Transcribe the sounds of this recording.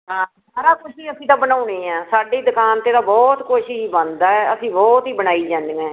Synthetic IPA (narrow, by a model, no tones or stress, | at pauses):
ɦãː | saːɾaːkʊʃiːəsĩːt̪ãːbənaːuneːɛ̃ːsaːɖeːd̪ʊkaːnt̪eːd̪aːbɔːt̪kʊʃibə̃nd̪aːɛəsĩːbɔːt̪iːbəñaːiːd͡ʒãːnd̪eːɛ̃ː